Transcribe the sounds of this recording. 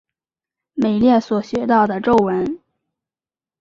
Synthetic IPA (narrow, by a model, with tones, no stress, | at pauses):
me˨˩ɪljɛ˥˩swɔ˨˩ɕɥɛ˧˥t̪ɑ˥˩ʊd̪ə˩ʈ͡ʂo˥˩ʊwə˧˥n